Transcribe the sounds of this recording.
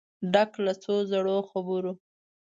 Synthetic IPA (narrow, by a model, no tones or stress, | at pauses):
ɖaklat͡sozaɽoxabuɾo